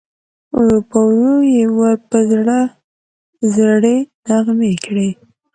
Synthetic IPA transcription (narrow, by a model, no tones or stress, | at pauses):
pawlojewəɾpəzɽa | zɽenaɣmekɽe